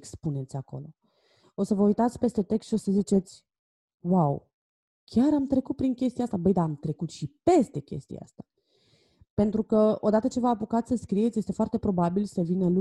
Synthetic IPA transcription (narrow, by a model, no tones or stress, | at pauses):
kspune̞t̪sʲako̞̰lo̞̰ | o̞səvəujt̪at̪sʲpe̞st̪e̞t̪e̞kst̪ʃio̞səzit͡ʃe̞t̪sʲ | waw | kʲaɾamt̪ɾe̞kut̪̚pɾiŋkʲe̞st̪iast̪abəjd̪aːmt̪ɾe̞kut̪ʃipe̞st̪e̞kʲe̞̰st̪ija̰a̰st̪ḁ | pe̞nt̪ɾukəo̞d̪at̪ət͡ʃe̞vəapukat̪ssəskɾije̞t̪sje̞st̪e̞foart̪e̞pɾo̞babilsəvinəlu